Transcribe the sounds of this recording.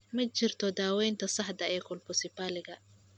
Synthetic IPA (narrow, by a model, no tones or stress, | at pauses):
mɐt͡ʃɪrt̪ʰɔd̪aːwɛjnt̪ʰɐsɐħd̪ɐɛːkʰʊlpʊsɪpaːlɪɣɐ